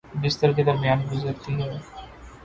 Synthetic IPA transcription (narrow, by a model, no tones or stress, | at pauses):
bɪst̪əɾk̬ed̪ɐɾmijaːnbʊzəɾt̪iɦɛː